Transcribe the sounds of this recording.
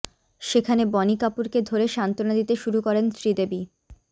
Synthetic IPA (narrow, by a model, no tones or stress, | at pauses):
ʃekʰanebɔnikapuɾked̪ʱoɾeʃant̪onad̪it̪eʃuɾukɔɾensɾid̪ebi